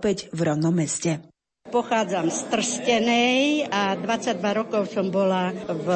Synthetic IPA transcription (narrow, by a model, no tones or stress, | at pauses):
pɛɟvɾɔnɔmɛscɛ | pɔxaːd͡zamst̪r̩scɛnɛjad̪ʋat͡sːaɟd̪ʋaɾɔkɔʊsɔmbɔlav